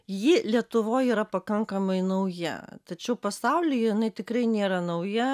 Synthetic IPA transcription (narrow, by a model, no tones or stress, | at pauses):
jɪlʲiɛt̪ʊʋoːjiːɾɐpɐkɐŋkɐmɐɪnɐʊjɛ̰t̪ɐt͡ʃʲɛʊpɐsɑʊlʲɪjɛjɪnɐɪt̪ʲɪkɾɐɪnʲeːɾɐnɐʊjɛ